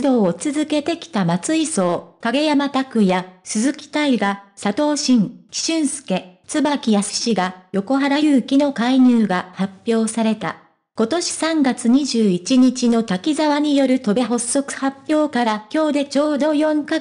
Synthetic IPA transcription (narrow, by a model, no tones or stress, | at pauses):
d̪o̞ːt͡sɨzɨke̞t̪e̞kʲi̥t̪amat͡sɨiso̞ːkaɡe̞jamat̪akɯ̟jasɨzɨkʲi̥t̪aiɡasat̪o̞ːɕĩŋkʲi̥ɕɨ̃ɰ̃sɨ̥ke̞t͡sɨbakʲijasɨ̥ɕiɡajo̞ko̞ɦaɾajɯ̟ːkʲino̞kaiɲ̟ɨːɡahapʲjo̞ːsaɾe̞t̪a̰ | ko̞t̪o̞ɕi̥sãŋɡat͡sɨɲ̟iʑɨːit͡ɕiɲ̟it͡ɕino̞t̪akʲizaβaɲ̟ijo̞ɾɯ̟t̪o̞be̞ɦo̞sːo̞kɯ̟̥hapʲːjo̞ːkaɾakʲo̞ːd̪e̞t͡ɕo̞ːd̪o̞jõ̞ŋka